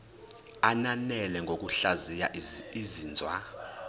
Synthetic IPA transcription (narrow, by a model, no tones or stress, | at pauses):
ananɛlɛŋɡʱok̬ʼuɬazijaiziːnd͡zʱwa